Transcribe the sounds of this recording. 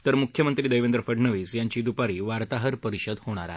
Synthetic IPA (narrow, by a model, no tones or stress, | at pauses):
t̪əɾmukʰjəmənt̪ɾiːd̪əjʋend̪ɾəfəɖnəʋiːsjaɲt͡ɕiːd̪upaɾiːʋaɾt̪aɦəɾpəɾiɕəd̪hoɽ̃a̰ɾa̰